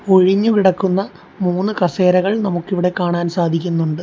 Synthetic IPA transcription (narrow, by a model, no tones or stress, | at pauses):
o̞ɻiɲːukiɽɐkːunːɐ | muːnːɨkɐseːɾɐɣɐɭnɐmukːiʋiɽe̞kːaːɳaːnsaːd̪ʱikʲːunːuɳɖɨ